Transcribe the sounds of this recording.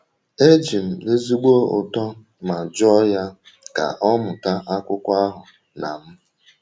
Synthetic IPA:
e˦d͡ʒi˨m̩˨le˦zi˦ɡ͡bo˦ʊ̰˨tɔ˦ | ma˨d͡ʒɔ˦ja˦ | ka̰˨ʔɔ˦mʊ˨ta˦ʔa˦kʷʊ˦kʷa˦ɦʊ˨ | na˨m̩˦

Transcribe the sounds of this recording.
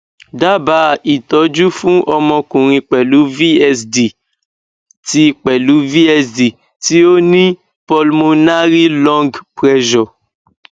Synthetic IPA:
da˦ba˨˦i˨tɔ˨˦d͡ʒu˦fũ˦ʔɔ˧mɔ̃˧kũ˨ɾ̃ĩ˧k͡pɛ˨lu˨˦vi˦ɛ˧sdi˨ | ti˦k͡pɛ˨lu˨˦vi˦ɛ˧sdi˨ | ti˦o˦nĩ˦ | pɔ˧lmo˧na˦ɾi˦lɔ̃˦ŋɡpɾɛ˦ʒɔ˨

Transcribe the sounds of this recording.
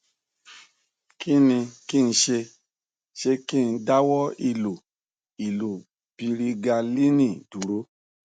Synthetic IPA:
ki˦nĩ˧ki˦˨n̩˧ʃe˧ | ʃe˧ki˦˨n̩˨da˦wɔ˦i˧lu˨ | i˨lu˨ | pi˧ɾi˧ɡa˧li˦nĩ˦˨du˨ɾo˦

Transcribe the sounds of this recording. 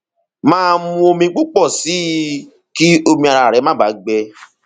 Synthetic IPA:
mãː˦˧mũ˧˦o˧mĩ˧˦k͡pu˦k͡pɔ˦˨si˨˦ | ki˦o˧mĩ˧a˧ɾa˧˨ɾɛ˨˦mã˦˨ba˨˦ɡ͡bɛ˧

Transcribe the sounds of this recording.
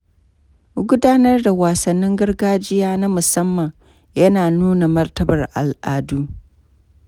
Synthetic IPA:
ɡʷʊ˦daː˦nɐ˦rda˨waː˨sɐ˨nːɪ˦ŋɡɐ˦ɾɡaː˦d͡ʒɪ˦jaː˦na˦mʊ˨sɐ˦mːɐ˨ŋ | jɐ˦naː˨nuː˦na˨mɐ˦rtɐ˦bɐ˨rʔa˨lʔaː˨duː˦

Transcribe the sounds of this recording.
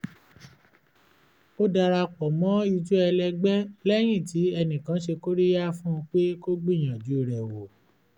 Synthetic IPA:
o˦da˧ɾa˧k͡pɔ˨mɔ̃˨˦i˧d͡ʒu˦ɛ˧lɛ˧ɡ͡bɛ˦lɛ˦j̃ĩ˦˨ti˨˦ɛ˧nĩ˨kã˨˦ʃe˧ko˦ɾi˦ja˦fũ˦˧k͡pe˦ko˦ɡ͡bĩ˦˨j̃ã˨d͡ʒu˨˦˨ɾɛ˨wo˨

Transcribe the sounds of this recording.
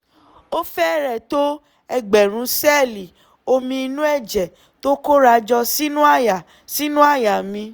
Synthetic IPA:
o˦fɛ˦˨ɾɛ˨to˦ | ɛ˧˨ɡ͡bɛ˨ɾ̃ũ˨˧˦sɛ˦˨li˨ | o˧mĩ˧i˧nũ˦ɛ˦˨d͡ʒɛ˨ | to˦ko˦ɾa˧d͡ʒɔ˧si˦nũ˦a˦˨ja˨ | si˦nũ˦a˦˨ja˨mĩ˧

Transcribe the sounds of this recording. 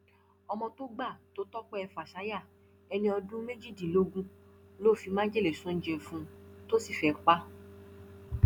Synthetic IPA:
ɔ˧mɔ̃˧to˦ɡ͡ba˦˨to˨˦tɔ˦k͡pɔ˦ɛ˧fa˨ʃa˨˦ja˦˨ | ɛ˧nĩ˧ɔ˧dũ˦me˦d͡ʒi˦˨dĩ˨lo˨˦ɡũ˦lo˦˨fi˨˧mã˦d͡ʒe˦le˨sũ˦n̩˦d͡ʒe˧fũ˦to˦si˦˨fɛ˨k͡pa˦

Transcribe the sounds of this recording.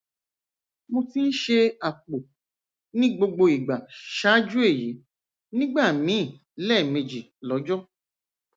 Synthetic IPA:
mo˧ti˦n̩˦ʃe˧a˨k͡po˨ | nĩ˦ɡ͡bo˧ɡ͡bo˧i˨ɡ͡ba˨ʃa˦d͡ʒu˦e˦˨ji˨˦ | nĩ˦ɡ͡ba˦˨mĩ˨˦˨ | lɛ˦˨me˧d͡ʒi˨lɔ˨˦d͡ʒɔ˦

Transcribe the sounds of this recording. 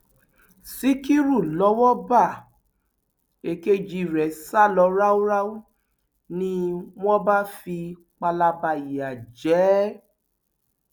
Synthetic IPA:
si˦ki˦ɾu˦˨lɔ˧˦wɔ˦ba˦˨ | e˨ke˦d͡ʒi˧ɾɛ˨sa˦lɔ˨˧˦ɾa˦wu˦ɾa˦wu˦ | nĩ˦w̃ɔ̃˦ba˦fi˧ | k͡pa˧la˧ba˧i˨ja˨d͡ʒɛ˨˦

